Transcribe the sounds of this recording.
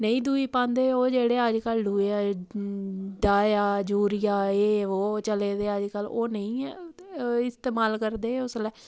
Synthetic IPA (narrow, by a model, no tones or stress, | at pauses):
nəĩːd̪uːiːpãːnd̪eːoːd͡ʒeːɽeːəd͡ʒkəlɖuːeː | ɖaːjaːd͡ʒuːɾɪjaːeːoːt͡ʃəleːd̪eːəd͡ʒkəloːnəĩː | ɪst̪eːmaːlkəɾd̪eːʊslɛː